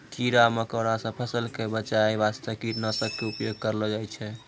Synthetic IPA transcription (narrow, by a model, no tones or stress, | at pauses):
t͡ʃʰiɾaməkəɽasə̃pʰəsəlkebət͡ʃajbast̪əkiʈnəsəb̚keupjoɡ̚kəɾlɔd͡ʒajt͡ʃʰɛ